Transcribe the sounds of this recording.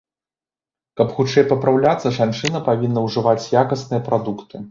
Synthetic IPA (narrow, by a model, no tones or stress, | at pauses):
kɐpxut͡ʂɛjpɐpɾawlʲat̪sːɐʐant͡ʂɨnɐpavʲinːɐwʐɨvat͡sʲjakɐsnɨjɐpɾad̪ukt̪ɨ